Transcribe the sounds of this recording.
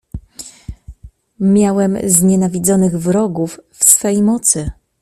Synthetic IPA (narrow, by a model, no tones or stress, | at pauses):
mʲjawɛmzɲɛnavʲid̪zɔnɘɣvɾɔɡufːsfɛjjmɔt̪sɘ